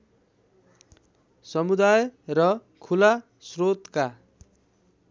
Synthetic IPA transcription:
sʌmud̪ajrʌ | kʰula | srot̪ka

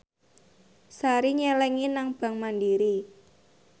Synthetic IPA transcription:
saɾiɲɛlɛŋinaŋb̥a̤ŋmandiɾi

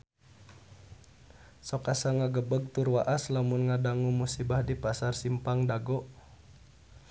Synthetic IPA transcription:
sɔkasaŋaɡəbəɡ̚t̪urwaʔaslamunŋadaŋumusibahdipasarsimpaŋdaɡɔʔ

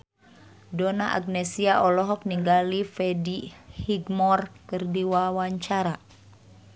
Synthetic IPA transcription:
dɔnaʔa̰ɡ̚nɛsiaʔɔlɔɦɔk̚niŋɡalifɛdihiɡmɔrkɨrdiwawaɲt͡ʃaɾa

